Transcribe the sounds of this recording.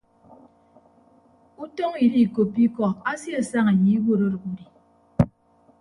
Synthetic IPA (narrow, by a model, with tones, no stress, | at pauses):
u˦to˦ŋi˨li˦˨ko˨pi˦kɔ˦a˦sja˦˨sa˦ŋa˨ji˨˦wo˦˨ɾo˦ɾu˨ku˦di˨